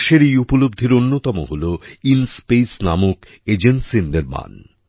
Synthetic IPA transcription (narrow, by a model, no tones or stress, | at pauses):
ʃeɾejupolob̚d̪ʱeɾonːot̪ɔmoɦoloinspejsnamuk | ed͡ʑensind̪eɾma̰n